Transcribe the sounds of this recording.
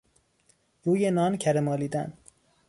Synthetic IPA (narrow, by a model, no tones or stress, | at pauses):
juːjenɒːncʰæɾemɒːliːd̪æ̰n